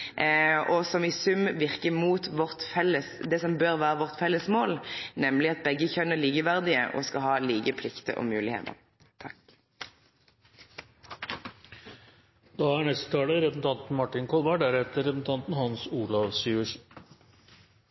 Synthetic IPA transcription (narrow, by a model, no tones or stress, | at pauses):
ʔɔsɔmɪsʉmʋɪʁkəmuːt̪ʋɔʁt̪fɛlːəsd̪ɛsɔmbøːʁʋæːʁəʋɔʁt̪fɛlːəsmoːlnɛmlɪɑt̪̚bɛɡːəçœnːəɭiːɡəʋæʁd̪ɪəʔɔ̰skɑhɑːliːɡəpʰlɪkt̪ə̰ʔɔ̰mʉːlɪhḛːt̪ə̰ | t̪ʰɑ | d̪̥ɑːæɳɛst̪ət̪ʰɑːləɾɛsn̩t̪ʰɑnt̪n̩mɑʈːɪnkʰɔlʋæɖæɾɛt̪ːəɾɛsn̩t̪ʰɑnt̪n̩hɑnsuːlɑʋsyːəʂ